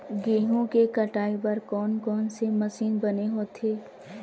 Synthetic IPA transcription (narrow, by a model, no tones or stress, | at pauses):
ɡeːɦõkekɐʈaːipɐɾkɔːnkɔːnsemɐsiːnbɐneɦoːt̪ʰeː